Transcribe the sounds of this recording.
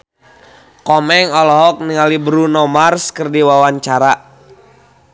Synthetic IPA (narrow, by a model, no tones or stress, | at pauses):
kɔmɛŋɔlɔɦɔk̚niŋalibɾunɔmarskərdiwawaɲt͡ʃaɾa